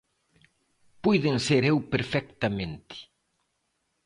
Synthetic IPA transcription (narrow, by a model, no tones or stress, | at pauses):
pujðenseɾewpeɾfɛk̚t̪amẽnt̪ɪ̥